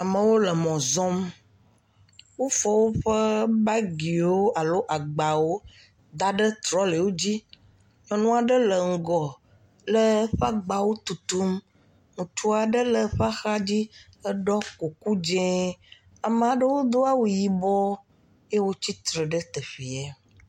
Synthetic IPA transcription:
a˨mə̃˨wo˦lə˨mɔ̃˨zɔ̃˦m | wo˦fɔ˦wo˦ɸə˦ba˦ɡi˨wo˦a˨lo˦ʔa˨ɡ͡ba˨wo˦ | d̪a˨ɖə˦t̪ɾɔ˦lə˨wo˦d͡ʑi˦ | mə̃˨nũ˦a˨ɖə˦lə˨ŋ̩˨ɡɔ˨ | lə˦ɸa˦ɡ͡ba˨wo˦t̪u˨t̪u˦m | ŋũ˨t͡ʃu˦a˨ɖə˦lə˨ɸa˦xa˦d͡ʑi˦ | ə˦ɖɔ˦ko˨ku˦d͡ʒɛ̃˦ | a˨mə˦˨a˨ɖə˦wo˦d̪o˦a˦wu˨ji˨bɔ˦ | je˦wo˦t͡ɕi˦t̪ɾə˨ɖə˦t̪ə˨ɸi˨ɛ˦

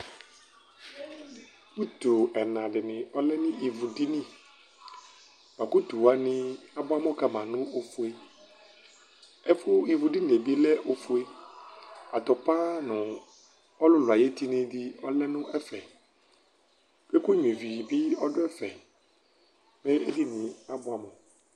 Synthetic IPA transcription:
bu˦t̪o˨ɛ˨nã˨ɖɪ˨nɪ̃˨ɔ˦lɛ˦nɪ̃˦i˨vu˨di˦nĩ˦ | b̥a˨ku˦t̪u˨wa˨nɪ̃˦a˨bɔ˦a˦mɔ̃˦ka˨mã˨nʊ̃˦o˨fu˦e˦ | ɛ˦fʊ˦i˨vu˨di˦n˨e˨bi˦lɛ˦ʔo˨fu˦e˦ | a˨t̪ɔ˨pa˦nʊ̃˨ | ɔ˦lʊ˦lʊ˨a˨je˦t̪i˦nɪ̃˨dɪ˦ɔ˦lɛ˦nʊ̃˦ɛ˦fɛ˨ | be˦kʊ˦ɲ˨ẽ˨vi˨bɪ˦ɔ˦dʊ˦ɛ˦fɛ˨ | mɛ̃˦e˦di˦nɪ̃˨a˨bʊ˦a˨mɔ̃˨

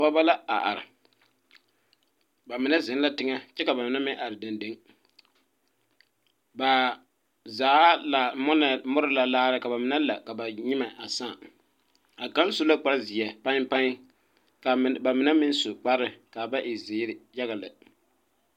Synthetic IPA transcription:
bɔ˦ba˦la˦a̰˨ʔa̰˨ɾɪ̰˨ | ba˨mɪ˨na˦zɪ˨˦n˦la˦tɪ˦ŋa˦t͡ʃɛ˦ka˨ba˨mɪ˨na˦mɪ̃˦ʔa˨ɾɪ˨da˨nde˦ŋ | ba˨ | zaː˨˦la˨mɔ˦na˨mʊ˦ɾɪ˦la˨laː˦ɾɨ˦ka˨ba˨mɪ˨˦na˦la˨ka˨ba˨ɲɪ˦ma˨a˨saː˦˨ | a˨ka˦n˦so˦la˦k͡pa˦ɾzɪ˨ɛ˨pã˦ŋpa˦ŋ˦ | ka˨ba˨mɪ˨na˦mɪ˦n˦sʊ˨k͡pa˦ɾɨ˨ka˨ba˦ʔɪ˨zɪː˨˦ɾɪ˨ja˦ɣa˨lɪ˨

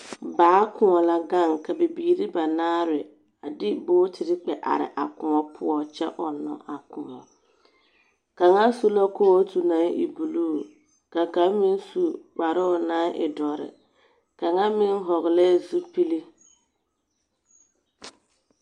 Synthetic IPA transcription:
baː˨˦kʊ˨ŋɔ˨la˦ɡa˦˨ŋka˨be˨biː˨ɾi˦ba˨naː˦ɾɪ˨ | a˨dɪ˦boː˦tʰɪ˨ɾɪ˦k͡pɛ˨ʔa̰˨ɾɪ̰˨ʔa˨kʊ˨ɔ˦pʰʊ˦ɔ˨t͡ʃɛ̰˦ʔɔ˨nːɔ̰˨ʔa˨kʰʊ˨ŋɔ̰˨ | ka˨ŋa˦su˦la˦ko˦ɔ˦tu˨na˨˦ŋḭ˨bu˨luː˦˨ | ka˨ka˨˦mi˦n˦su˦k͡pa˨ɾʊ˦˨na˦ʔɪ̰˨dɔ˨ɾɪ̰˨ | ka˨ŋa˦mɪ˦ŋ˦ɦɔ˨ɣɪ˨lɛ˦˨zu˦pi˦li˦

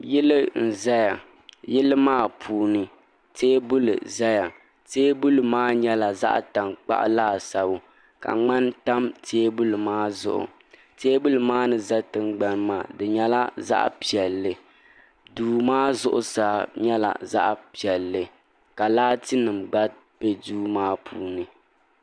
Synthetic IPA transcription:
jɛ˦lɨ˦n̩˨za˦ja˨ | jɛ˦lɨ˦maː˦˨pʰuː˨˦nɨ˦ | teː˦bʊ˦lɨ̰˨za˦ja˨ | teː˦bʊ˦lɨ˨maː˦ɲɛ˦la˨za̰˦ʔta˨mk͡pa̰˦ʔlaː˦˨sa˨bʊ˨ | ka̰˨ŋ͡ma˦nta˦mtʰeː˦bʊ˦lɨ˨maː˦zʊ̰˦ʔʊ̰˨ | teː˦bu˦lɨ˨maː˦nɨ˨za˦tɨ˦nɡ͡ba˦nmaː˨dɨ˨ɲɛ˦la˦za̰˦ʔpi˨ɛ˨lːɨ˨ | duː˨maː˦zʊ˦ʔʊ̰˦saː˨˦ɲɛ˦la̰˨za̰˦ʔpi˨ɛ˨lːɨ˨ | ka˨laː˦tɨ˦nɨ˨mɡ͡ba˦ | pɛ˦duː˦maː˦pʰuː˦nɨ˨

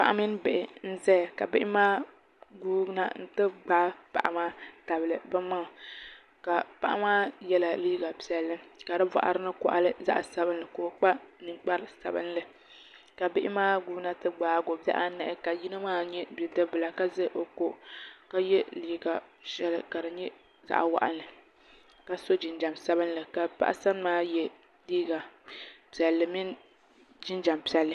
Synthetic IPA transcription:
pa̰˨ʔa̰˦mɨ˦n˦bɪ˨ʔɪ˨n̩˦zɛ˦˨ka˨bɪ˦ʔɪ˦maː˦ | ɡuː˦na˦n̩˦tɨ˦ɡ͡baː˦pa̰˨ʔa˨maː˦ta˨bɨ˨lɨ˨bɨ˦ma˦˨ | ka˨pa˨ʔa̰˦maː˦jɛ˦la˨liː˦ɡa˨pi˨ɛ˨lːɨ˦ka˨dɨ˦va̰˨ʔa̰˨ɾɨ˦nɨ˦kɔ̰˨ʔa̰˨lɨ˦za̰˦ʔsa˨bɨ˦nlɨ˨ko˨k͡pa˦nɨ˨ŋk͡pa˦ɾɨ˦sa̰˨bɨ̰˦nlɨ˨ | ka˨bɪ˦ʔɪ˦maː˦ɡu˦na˦tɨ˦ɡ͡baː˨ɡo˨ba̰˦ʔa˦nɨ˨ʔɪ˦ka˨ji˦nɨ˦maː˦ɲɛ˦bɛ˨dɨ˦bɨ˨la˨ka˦zɨ˦ʔo˨ko˦ka˦jɛ˦liː˨ɡa˨ʃɛ˦lɨ˦˨ka˨ɾɨ˨ɲɛ˦ | za̰˦ʔa̰˨wa̰˦ʔa̰˦nɨ˨ | ka˨so˦d͡ʒɪ˨nd͡ʒa˨msa˦bɨ˦nlɨ˨ka˨pa̰˦ʔa̰˦sa˦n˦maː˦jɛ˦ | liː˦ɡa˨pi˨ɛ˨lːɨ˨mi˦n | d͡ʒɪ˦nd͡ʒa˨mpi˨ɛ˨lːɨ˨

